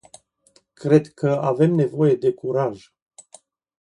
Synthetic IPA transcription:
kɾe̞d̪kəave̞mne̞vo̞je̞d̪e̞kuɾaʒ

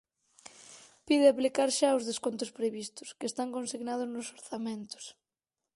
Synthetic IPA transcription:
piðɪaplikaɾʃawzðeskont̪ʊspɾeβist̪ʊ̥skeːst̪aŋkonsiɣnað̞ʊznʊsoɾθamẽnt̪ʊ̥s

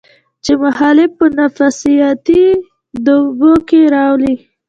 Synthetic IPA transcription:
t͡ʃemahɑlɪpənafasijat̪i | d̪obokeɾɑwli

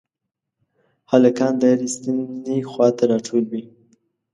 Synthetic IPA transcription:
halekɑnd̪aɾist̪inixwɑt̪aɾɑʈʰulwi

